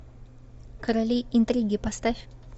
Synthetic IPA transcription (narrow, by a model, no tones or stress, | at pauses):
kəɾaliint̪ɾiɡipast̪af